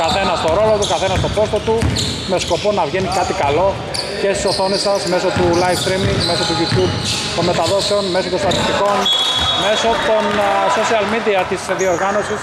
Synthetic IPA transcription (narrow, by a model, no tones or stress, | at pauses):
kɐθe̞nɐst̪o̞ɾo̞lo̞t̪ukɐθe̞nɐst̪o̞po̞st̪ot̪u | me̞sko̞po̞nɐvʝe̞nikɐt̪ikɐlo̞ | ce̞st̪i̥so̞θo̞nesɐsme̞so̞t̪ulɐjfst̪ɾimiɡme̞sot̪uʝit̪u | t̪o̞me̞t̪ɐðo̞seonme̞so̞t̪ost̪ɐt̪ist̪iko̞nme̞so̞t̪o̞nso̞siɐlmid̪iɐt̪isðio̞ɾɣɐno̞sis